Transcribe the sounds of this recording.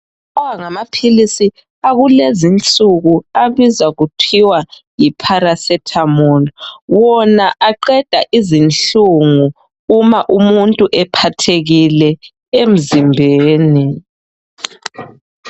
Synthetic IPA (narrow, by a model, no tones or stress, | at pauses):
ɔwaŋamapʰilisi | aɣulezint͡sʼuɣuaβizaɣutʰiwa | jipʰaɾasɛtʰamɔnɔwɔnaʔaǃɛd̥ʱaʔizint͡ɬuŋuː | maʔumuntʼuʔɛpʰatʰeɣilɛ | em̩zimbʱeːni